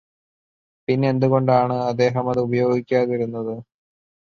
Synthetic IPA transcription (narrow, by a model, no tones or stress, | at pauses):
pinːeend̪uɣo̞ɳɖaːɳɨɐd̪ːe̞ːɦɐmɐðɨubɐjo̞ːɡikʲːaːðiɾunːɐðɨ